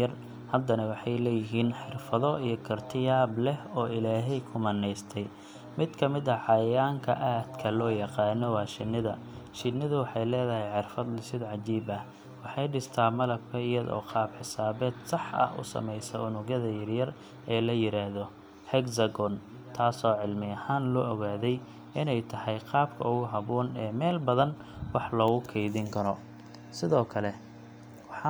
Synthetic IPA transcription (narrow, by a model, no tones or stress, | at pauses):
ɐr | hɐd̪ːɐnɐwɑħɑjlɛːjɪɦiːnħɪrfɐðɔijɞkʰɐrt̪ʰɪjaːblɛhɔːɪlaːɦɛjkʰʊmɐnːɛjst̪ʰɛj | mɪd̪kʰɐmɪðɐʕɑjɐjaːŋkʰɐ̰ʔaːd̪̥kʰɐlɔːjɐqɑːnːɔwɑːʃɪnːɪðɐ | ʃɪnːɪðʊwɑħɑjlɛːðɐɦɛjħɪrfɐd̪lɪsɪd̪ʕɑt͡ʃiːbɐh | wɑħɑjɖɪst̪ʰaːmɐlɐb̚kʰɐɪjɐðɔ̰ːqʰɑːbħɪsaːβɛːd̪sɑħɐ̰hʊ̰sɐ̰mɛjsɐ̰ʊnʊɣɐðɐjɐrjɐr | ɛːlɐjɪɾaːhðɔ | hɛɡsɐɡɔn | t̪ʰaːsɔːʕɪlmɪɐhaːnlɔʔɔɣaːðɛj | ɪnɛjt̪ʰɐhɛjqɑːb̚kʰɐ̰ʊɣʊɦɐβɔːnɛːmɛːlbɐðɐn | wɑħlɔːɣʊkʰɛjðɪŋkʰɐɾɔ | sɪðɔːkʰɐlɛ | wɑħɑ